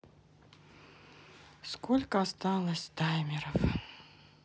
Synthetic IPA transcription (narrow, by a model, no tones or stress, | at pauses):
skolʲkəast̪ɑlˠəsʲd̪ajmʲɪɾəf